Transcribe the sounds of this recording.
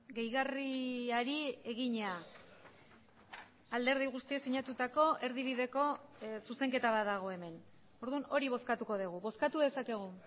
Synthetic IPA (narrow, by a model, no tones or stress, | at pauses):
ɡe̞jɣariaɾie̞ɣiɲa | ald̪e̞ɾð̞iɣ̞ust̪ie̞siɲat̪ut̪ako̞e̞ɾðiβ̞iðe̞ko̞suse̞ŋke̞t̪aβat̪d̪aɣ̞o̞e̞me̞n | o̞ɾðuno̞ɾiβ̞o̞skat̪uko̞ðuɣ̞uβo̞skat̪uðe̞sake̞ɣ̞u